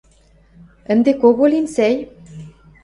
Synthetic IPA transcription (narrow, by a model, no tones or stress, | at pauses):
ə̆nd̪ekoɣolinsæj